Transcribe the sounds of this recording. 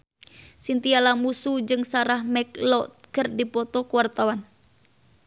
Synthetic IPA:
sint̪ialamusud͡ʒɨŋsaɾahmɛklɔt̪̚kərdipɔt̪ɔkuwart̪awan

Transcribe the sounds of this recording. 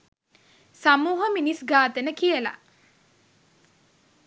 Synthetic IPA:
samuːɦəminisɡaːt̪ənəkijəla̰

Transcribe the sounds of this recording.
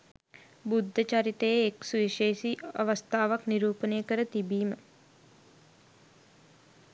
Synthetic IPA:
bud̪ʱːət͡ʃaɾit̪əjeːksuʋiʃeːʃiɐ̰ʋəst̪ʰaːʋakniɾuːpənəjəkəɾət̪ibiːmə

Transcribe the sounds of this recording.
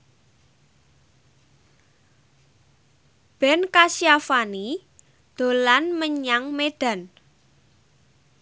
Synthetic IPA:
b̥ɛ̤nkasiafani | d̪̥o̤lanməɲaŋmed̪̥a̤n

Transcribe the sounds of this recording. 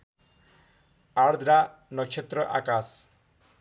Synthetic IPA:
aɽd̪ɾanɔkt͡ʃʰet̪ɾɔʔa̰kas

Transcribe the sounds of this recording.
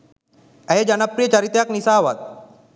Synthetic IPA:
ɛed͡ʑanapɾijət͡ɕaɾit̪jaknisaʋa̰t̪̚

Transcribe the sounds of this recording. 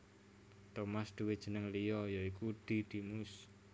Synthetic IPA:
t̪omasd̪̥uwed̥ʒ̥ə̤nəŋlijɔjɔikud̪̥i̤d̪̥i̤mus

